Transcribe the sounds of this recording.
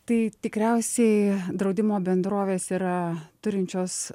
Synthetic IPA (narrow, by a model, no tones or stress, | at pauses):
t̪ɐɪt̪ʲɪkɾʲɛʊsʲɛɪd̪ɾɐʊd̪ʲɪmoːbʲɛnd̪ɾoːʋʲeːsiːɾɐt̪ʊɾʲɪnʲt͡ʃʲoːs